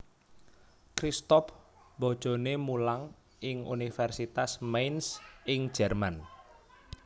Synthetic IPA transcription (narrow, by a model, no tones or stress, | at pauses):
kɾist̪ɔf | bɔd̥ʒ̥o̤nemulaŋ | ʔɪŋṵnifɛrsit̪asmejnsɪŋ̥d͡ʒ̥ɛrman